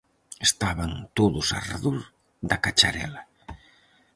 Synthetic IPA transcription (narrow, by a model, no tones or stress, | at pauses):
est̪aβɐnt̪oðʊsa̰ra̰ðoɾ | ðɐkat͡ʃaɾɛlɐ